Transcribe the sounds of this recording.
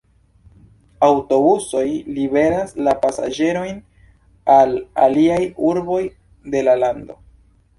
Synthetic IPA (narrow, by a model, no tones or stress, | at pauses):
awto̞buso̞jlibe̞ɾaslapasa̰d͡ʒe̞ɾo̞jn | ala̰liajuɾbo̞j | de̞lalando̞̰